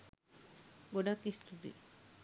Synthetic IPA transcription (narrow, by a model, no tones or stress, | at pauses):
ɡoɖakist̪ud̪ḭ